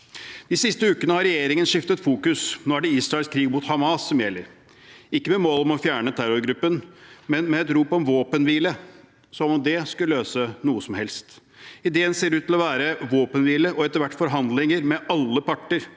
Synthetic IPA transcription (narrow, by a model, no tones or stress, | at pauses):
d̪̥ɪsɪst̪əʉːkənəhɑɾɛjeːɾɪŋənʂɪft̪ət̪fuːkʉsnoːæɖɛisɾɑɛlskʰɾiːɡ̚mut̪hɑmɑːsːɔmjɛlːəɾ | ɪkːəmɛmoːlɔmɔfjæːɳət̪ʰæɾɔɾɡɾʉpːənmɛnmɛːt̪ɾuːpɔmʋoːpənʋiːlə | sɔmɔmd̪ɛskʉəløːsənuːəsɔmhɛlst̪ | ɪd̪eːənseːɾʉːt̪ʰːɪlɔʋæːɾəʋoːpənʋiːləʔɔɛt̪ːəɾʋæʈːfɔɾɦɑnd̪lɪŋəɾmɛʔɑlːəpɑʈːəɾ